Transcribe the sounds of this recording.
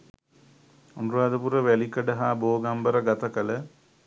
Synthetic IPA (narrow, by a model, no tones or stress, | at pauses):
unruaːd̪ɐpurɐʋelikːɐɖɐɦaːboːɡambɐɾɐɡɐt̪ɐkɐlɐ